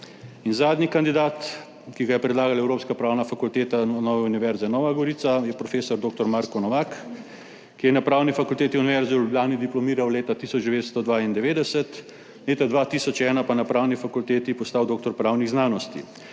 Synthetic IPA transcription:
inzaːd̪nikand̪id̪aːt̪ | kiɡajɛpɾɛd̪laːɡalɛwɾoːpskapɾaːwnafakult̪eːt̪anɔːʋɛuniʋɛɾzɛnɔʋaɡɔɾisajɛpɾɔfeːsɔɾd̪oːk̚t̪ɔɾmaːɾkɔnɔʋaːk | kijɛnapɾaːwnifakult̪eːt̪iuniʋɛɾziwlublʲjaːnid̪iplɔmiːɾawleːt̪at̪iːsɔd͡ʒd̪ɛʋeːt̪st̪ɔd̪ʋaːind̪ɛʋeːd̪ɛsɛt̪ | leːt̪ad̪ʋaːt̪isɔt͡ʃɛːnapanapɾaːwnifakult̪eːt̪ipɔst̪awd̪oːkt̪ɔɾpɾaːwniɣznaːnɔst̪ḭ

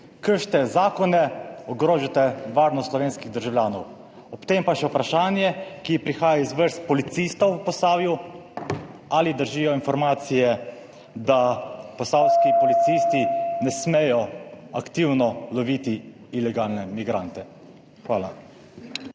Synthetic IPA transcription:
kəɾʃt̪ɛzaːkɔnɛɔɡɾoːʒat̪ɛʋaːɾnɔst̪lɔʋeːnskiɣd̪əɾʒawlʲjaːnɔw | ɔpt̪empaʃɛupɾaʃaːnjɛkipɾixaːjaizʋəɾst̪̚pɔlit̪sist̪ɔwpɔsaːwju | alid̪əɾʒiːjɔinfɔɾmaːt̪sijɛ | d̪apɔsawskipɔlit̪sist̪inɛsmɛjɔakt̪iːwnɔlɔʋit̪i | ilɛɡaːlnɛmiɡɾant̪ɛ | xʋaːla̰

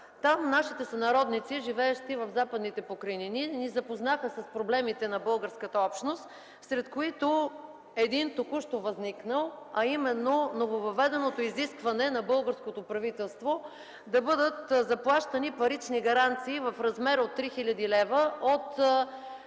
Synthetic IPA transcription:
t̪amnaʃit̪ɛsɐnɐɾɔd̪nit̪siʒivɛɛʃt̪ivɐvzapəd̪nit̪ɛpokɾɐinininizɐpoznaxəsɐspɾoblɛmit̪ɛnɐbɤlˠɡəɾskət̪əɔpʃt̪nost̪ | sɾɛt̪koit̪o | ɛd̪int̪okuʃt̪ovɐzniknəlˠɐimɛnːonovovɐvɛd̪ɛnot̪oiziskvɐnɛnɐbɤlˠɡəɾskot̪opɾɐvit̪ɛlˠst̪vo | d̪ɐbɤd̪ət̪zɐplˠaʃt̪ɐnipɐɾit͡ʃniɡɐɾant̪siːvɐfɾɐzmɛɾot̪ːɾixilʲɐd̪ilɛvəot̪

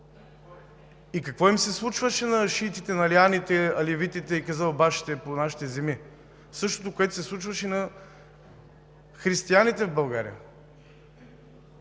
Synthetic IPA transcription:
ikɐkvɔimsɛslˠut͡ʃvəʃɛnɐʃit̪it̪ɛnɐlianit̪ɛɐlɛvit̪it̪ɛikɐzabaʃi̥t̪ɛponaʃi̥t̪ɛzɛmi | sɤʃt̪ot̪okoɛt̪o̥sɛslˠut͡ʃvɐʃɛinɐ | xɾist̪ianit̪ɛvbɐlˠɡaɾḭjə̰

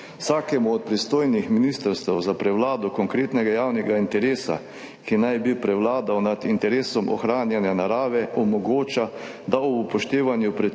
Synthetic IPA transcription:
wsaːkɛmuɔt̪̚pɾist̪oːjnixminist̪əɾst̪ɛwzapɾɛwlaːd̪ɔkɔŋkɾeːt̪nɛɡajaːwnɛɡaint̪ɛɾeːsa̰ | kinajbipɾɛwlaːd̪awnad̪int̪ɛɾeːsɔmɔ̰xɾaːnjɛnjanaɾaːʋɛʔɔmɔɡoːt͡ʃa | d̪aɔupɔʃt̪eːʋanjupɾɛ

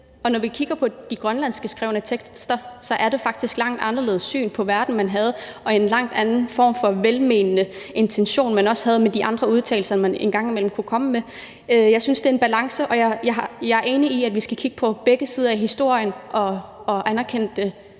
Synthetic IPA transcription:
ɒ̽nɒʋikʰiɡ̥ɐpʰɒ̽d̥iɡ̥ʁɶnlæn̰sɡ̥əsɡ̥ʁɛ̰ʊnət͡sʰeɡ̥sd̥ɐsɒ̽ʔæɐɾ̥e̝fɑ̈ɡ̥̚d̥isɡ̥lɑ̈ŋ̰d̥ɑ̈nɐle̝̰ð̞̩ˠssy̰ːnpʰɒ̽ʋæɐd̥n̩mænɦæð̞ˠɒ̽e̝nlɑ̈ŋ̰d̥ænn̩fɒ̰ːmfɒ̽ʋelmeːnənəe̝nt͡sʰenɕo̝̰ːnmænɒ̽shæð̞̩ˠmed̥iʔɑ̈nd̥ʁɐuð̞ˠt͡sʰɛ̰ːɪl̩sɐmænenɡ̥ɑ̈ŋ̰imel̰m̩kʰukʰɒ̽məme | jɑ̈ɪsynsd̥e̝e̝nb̥ælɑ̈ŋsəʔɒ̽jɑjɑ̈ɑjɑɪæɐe̝ːniiædʋisɡ̥ækʰiɡ̥ə̥pʰɒ̽b̥eɡ̥əsiːð̞ˠɐæɦisd̥o̝ɐ̰jənʔɒ̽ːʔænæɐkʰen̰d̥ə

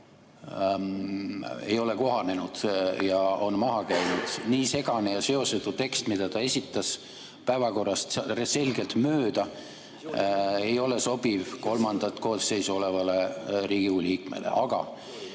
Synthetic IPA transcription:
e̞̰jo̞le̞ko̞ɦɑne̞nud̪̥jɑo̞nmɑɦɑkæjnud̪̥niːse̞ɡ̥ɑnejɑse̞o̞set̪ːut̪e̞kst̪mid̪̥ɑt̪ɑe̞sʲit̪ːˑɑs | pæevɑko̞rːɑst̪rese̞lɡe̞lt̪møːd̪ɑ | ejo̞le̞so̞b̥ivko̞lmɑnd̪ɑt̪ko̞ːsːe̞jsuo̞le̞vɑle̞ɾiːɡuliːkmḛlʔḛʔɑɡ̥ɑ̰

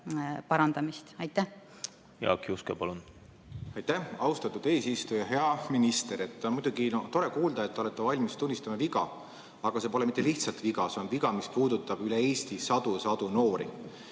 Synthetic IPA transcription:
pɑɾɑnd̪ɑmist̪ɑjt̪ːæh | jɑ̰ːkiuskepɑlun | ɑjt̪ːæhɑust̪ɑt̪ːˑud̪̥eːsist̪ujɑɦe̞ɑminist̪e̞ɾe̞t̪ːonmujd̪̥uɡinot̪o̞ɾe̞kuːld̪ɑet̪ːeo̞le̞t̪ːˑevɑlʲmist̪unʲːist̪ɑmɑviɡɑ̰ | ɑɡ̥ɑse̞ːpo̞le̞mit̪ːe̞liht̪sɑlt̪viɡɑseonviɡɑmispuːd̪ut̪ːˑɑb̥ylee̞ːst̪isɑd̪̥usɑd̪̥uno̞ːɾḭ

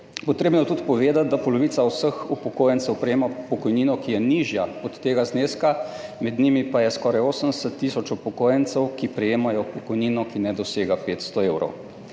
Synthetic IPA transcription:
pɔt̪ɾeːbnɔjɛt̪ut̪pɔʋeːd̪at̪̚d̪apɔlɔʋiːt̪sawsəxupɔkoːjənt̪sɛwpɾɛjeːmapɔkɔjniːnɔkijɛniʒjaɔt̪ːeːɡazneːskamɛd̪nimipajɛskɔːɾajoːsənd̪ɛsət̪ːisɔt͡ʃupɔkoːjənt̪sɛwkipɾɛjeːmajɔpɔkɔjniːnɔkinɛd̪ɔseːɡapeːt̪st̪ɔeːwɾɔ̰w

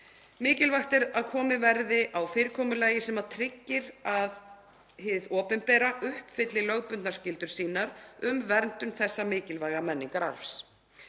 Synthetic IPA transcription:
mɪːcɪlvaxt̪ɛɾaðkʰɔːmɪvɛɾðɪʔawfɪːɾɪkʰɔːmʏlaːjɪsɛmat̪ʰɾɪcːɪɾað | hɪːvðɔːpʏnpɛːɾaʔʏhpfɪt̪lɪlœɣpʏnt̪nḁɾscɪlt̪ʏɾ̥siːnaɾʏmvɛɾnt̪ʏnθɛsːamɪːcɪlvaːjɣamɛnːiŋkaɾa̰ɾfs

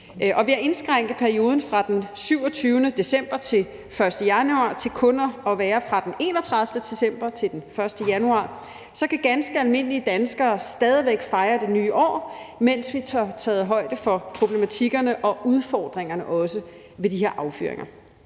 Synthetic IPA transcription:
ʔɒ̽ʋiæɐʔe̝nsɡ̥ʁaŋ̰ɡ̥ð̩ˠpʰæɐio̝ːð̞ˠn̩fʁɑ̈d̥ensyʊɒ̽t͡sʰyːʊnəd̥e̝sem̰b̥ɐt͡sʰe̝l | fɶɐsd̥əjænuɑ̰̈ːt͡sʰe̝lkʰɔ̽nɐɒ̽ʋæːɐfʁɑ̈d̥ene̝̰nɒt͡sʰʁɑ̈ðˠfd̥əd̥e̝sem̰b̥ɐt͡sʰe̝ld̥enfɶɐsd̥əjænuɑ̰̈ː | sɒ̽kæɡ̥ænsɡ̥əælme̝n̰əliəd̥ænsɡ̥ɐːsd̥ɛːð̞ˠʋeɡ̥fɑ̈ɪɐd̥e̝nyːʔɒ̰ːmen̰sʋit͡sʰɑt͡sʰɛ̰ːð̩ˠɦɒ̽ɪ̰d̥əfɒ̽pʰʁo̝b̥le̝mæt͡sʰiɡ̥ɐnəʔɒ̽ʔuð̞ˠfɒ̰ːd̥ʁeŋɐnəʔɒ̽sə | ʋe̝d̥ihe̝ɐʔɑ̈ʊfy̰ɐ̰e̝ŋʔɐ

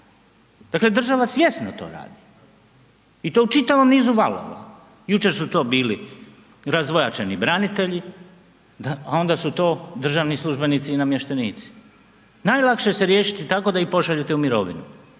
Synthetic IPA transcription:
d̪akle̞d̪r̩ʒaʋasje̞snot̪o̞̰ɾa̰ːd̪i | it̪o̞ut͡ʃit̪aʋo̞mniːzuʋalo̰ʋa̰ | jut͡ʃe̞ɾsut̪o̞ːbiːli | ɾazʋojat͡ʃenibɾanit̪e̞ʎi | d̪aao̞nd̪asut̪o̞ːd̪r̩ʒaːʋnislˠuʒbe̞nit̪siːnamjeʃt̪eniːt̪si̥ | naːjlˠakʃeseɾje̞ːʃit̪it̪ako̞d̪aipo̞ʃaʎet̪eumiɾo̞̰ʋḭnu

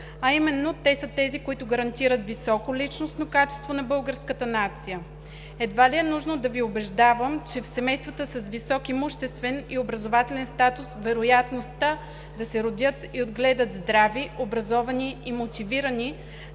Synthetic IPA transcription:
ɐimɛnːot̪ɛsət̪ɛzikoit̪ʊɡɐɾɐnt̪iɾət̪visɔkolʲit͡ʃnosnokat͡ʃɛ̥st̪vonɐbɤlˠɡəɾskət̪ənat̪sijə | ɛd̪valiɛnuʒnod̪ɐviobɛʒd̪avəmt͡ʃɛfsɛmɛjst̪vət̪əsɐsvisɔkimuʃt̪ɛst̪vɛniobɾɐzovat̪ɛlɛnst̪at̪ʊsvɛɾojat̪nost̪a | d̪ɐsɛɾod̪ʲət̪iod̪ɡlɛd̪ət̪zd̪ɾaviobɾɐzɔvɐniːmot̪iviɾəni

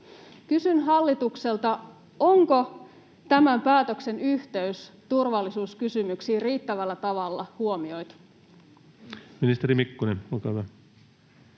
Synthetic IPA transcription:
kysynɦɑlːit̪ukse̞lt̪ɑ | o̞ŋko̞ | t̪æmæmpæːt̪ø̞kse̞nyht̪e̞yst̪urʋɑlːisuːskysymyksiːriːt̪ːæʋælːæt̪ɑʋɑlːɑ̰huo̞mio̞jt̪u̥ | minist̪eɾimikːunenolkɑːhyʋæ

